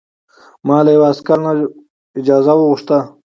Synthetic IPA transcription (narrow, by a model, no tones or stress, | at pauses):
mɑːlajawaskaɾna | ɪd͡ʒɑːzawəɣʊʂt̪a